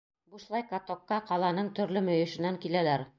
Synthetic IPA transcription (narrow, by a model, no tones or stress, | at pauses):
buʃlˠɑjkat̪okːɑqɑlˠɑnɤɴt̪ɵ̆ɾlɵmɵ̆jɘ̆ʃɘ̆næŋkilælæɾ